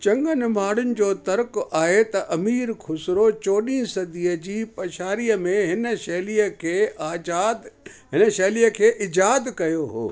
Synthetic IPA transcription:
t͡ɕɐ̃ŋɡənɪmaːɽʊnɪ̆d͡ʑoːt̪ɐɾkʊʔaːɦet̪ɐʔɐmiːɾkʰʊsɪɾot͡ɕoːɗĩsɐd̪ʱijəd͡ʑiːpɐʃaːɾijəmẽɦɪnə̆ʃɐɦlijəkʰeːaːaːd̪ɦɪnəʃɐɦlijəkʰeːʔɪd͡ʑaːd̪kɐjoɦo̰ː

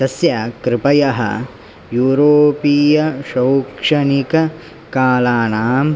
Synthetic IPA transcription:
t̪ɐsjɐkɾɪpɐjɐɦɐ̰ | juːɾoːpiːjɐʃɐwkʂɐnikɐ | kaːlaːnaːm

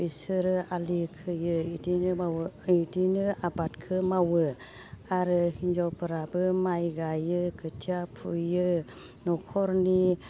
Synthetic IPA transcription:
isɯɾɯalikʰɯjɯidinɯawidinɯabatkʰɯmawɯ | aɾɯhind͡ʒawpɯɾabɯmajɡajɯkʰɯtʰiapʰṵjɯ | nɔkʰɔɾni

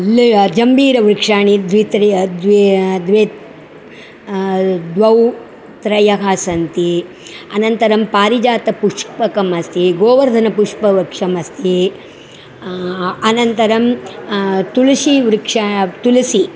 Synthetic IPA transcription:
ld͡ʒɐmbiːɾɐʋɾikʂaːɳid̪ʋit̪ɾd̪ʋd̪ʋeːt̪ | d̪ʋɐw | t̪ɾɐjɐɦaːsɐnt̪i | ɐnɐnt̪ɐɾɐmpaːɾid͡ʒaːt̪ɐpuʂpɐkɐmɐst̪ʰiɡoːʋɐɾd̪ʱɐnɐpuʂpɐʋɐkʂɐmɐst̪ʰi | ɐnɐnt̪ɐɾɐm | t̪ulɐʃiʋɾikʂat̪ulɐsi

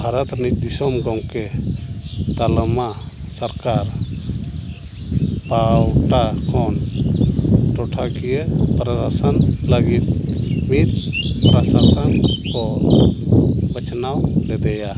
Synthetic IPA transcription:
bʱaɾɔt̪nic̚ˀd̪isɔmɡɔŋkɛ | t̪alma | saɾkaɾ | pawʈakʰɔn | ʈɔʈʰakijəpɾasasanləɡit̪̚mit̪̚pɾasasankɔ | bət͡ʃʰnawlɛd̪ɛja

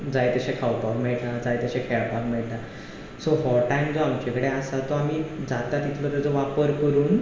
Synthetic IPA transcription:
d͡zajt̪əɕekʰawpakmɛɭʈad͡zajt̪əɕẽkʰɛɭpakmɛɭʈa | soɦɔʈajmd͡zoamt͡ɕekəɽeasat̪ɔamiːd͡zat̪at̪it̪ʰʋəɾəd͡zoʋapəɾkəɾuːn

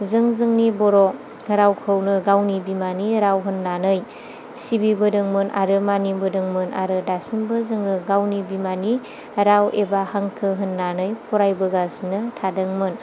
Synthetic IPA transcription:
zɯŋzɯŋnibɔɾɔ | ɾawkʰɯwnɯɡawnibimaniɾawɦɯnːanɯj | sibibɯdɯŋmɯnʔa̰ɾɯmanimbɯdɯŋmɯnʔa̰ɾɯdasimbɯzɯŋɯɡawnibimani | ɾawebahaŋkʰɯɦɯnːanɯjpʰɔɾajbɯɡaznɯtʰadɯŋmɯn

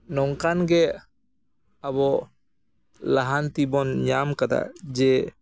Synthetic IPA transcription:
nɔŋkanɡɛ | abɔ | laɦant̪ibɔnɲamkad̪a̰d͡ʒɛ

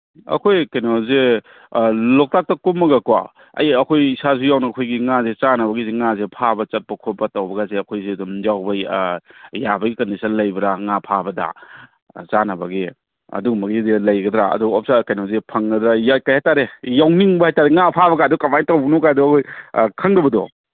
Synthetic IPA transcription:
ɐ̰kʰojkajnoze | lɔk̚tak̚tɐkumːɐɡakwa̰ | ɐ̰jɐkʰojisas̬ujawnaɐkʰojɡiŋazet͡ʃanɐbɐɡizeŋazepʰabɐt͡ʃɐt̚pɐkʰot̚bɐtawbɐɡazeɐkʰojzedumzawbɐ | jabɐɡikɐndisɐnlɐjbɐɾaŋapʰabɐda̰ | zanɐbɐɡi | ɐ̰dumɐɡizelɐjɡɐdɾaɐ̰duɔp̚sakajnawzepʰɐŋɡɐdɾajakajhajtaɾejawniŋbɐhajtaɾeŋapʰaβɐkajdɔkamajtawbnɔkajdɔɐkʰojkʰaŋdɐbɐdɔ

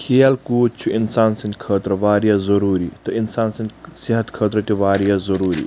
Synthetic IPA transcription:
kʰeːɐlkuːt͡ʃʰuinsaːnsɐnt̪ʲkʰəːt̪ɾɐʋaːɾijazɐɾuːɾiːt̪ɐinsaːnsɐnd̪ʲsiɦɐt̪kʰəːt̪ɾɐt̪iʋaːɾijazɐɾuːɾḭː

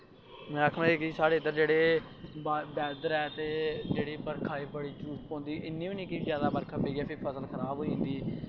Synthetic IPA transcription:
mɛ̃ːakʰmãeːkiːsaːɽeːɪd̪əɾd͡ʒeːɽeː | bɛːd̪əɾɛːt̪eːd͡ʒeːɽiːpəɾkʰaːiːbəɽiːd͡ʒuːspɔ̃ːnd̪iːʔɪnːĩːĩːnĩːkɪiːzjaːd̪aːbəɾkʰapeːɡɛːpʰɪpʰəsəlkʰəɾaːbɦoːiːɦnd̪iː

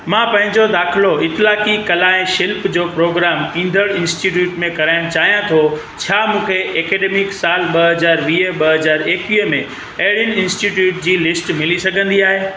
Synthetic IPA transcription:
mãːpɐ̃ɦɪ̃ɲd͡ʑod̪aːxɪloɪt̪ɪlaːkikɐlaːɪ̃ʃɪlpd͡ʑoːpɾoːɡɾaːmĩːn̆d̪ʱəɽɪ̃nsʈiʈ̬juːʈmẽkɐɾaːɪɽ̃t͡ɕaːɦijãt̪ʰo | t͡ɕʰaːmũːkʰeʔɛːkɛːɖeːmɪksaːlɓɐɦɐzaːɾʋiːɓɐɦɐzaːɾeːkʋiːmẽ | ɐɦɪɽjənɪ̆ɪ̃nsʈiʈjuːʈ̚d͡ʑiːlɪsʈmɪlisɐɡʱə̃nd̪iaːɦeː

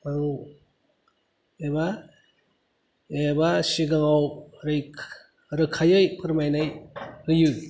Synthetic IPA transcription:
maŋu | eba | ebasiɡaŋawɾɯjkʰ | ɾɯkʰajɯjpʰɯɾmajnajhɯjɯ

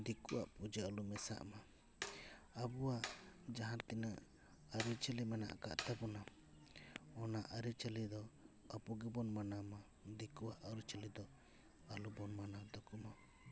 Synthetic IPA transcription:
d̪ikuwa̰ʔpud͡ʒəəlumɛsa̰ʔma | abuwaʔd͡ʒaɦãɾt̪ina | əɾit͡ʃəlimɛna̰ʔka̰ʔt̪apɔna | ɔnaʔaɾit͡ʃəlid̪ɔ | apɔɡɛbɔnmanama | d̪ikuwaʔaɾit͡ʃəlid̪ɔ | alubɔnmanad̪ɔkuma

